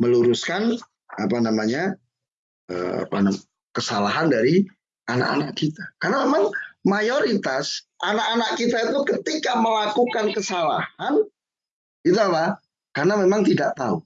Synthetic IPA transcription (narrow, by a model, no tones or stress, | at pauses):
məluɾuskan | apanamaɲa | ə̰a̰pa̰na | kəsalaɦandaɾi | ana̰ʔa̰naʔkit̪akarnamemaŋmajoɾit̪as | ʔanakanaʔkit̪ait̪ukət̪ikaməlakukankəsala̰han | ɡit̪uapah | karnamemaŋt̪idaʔt̪aṵ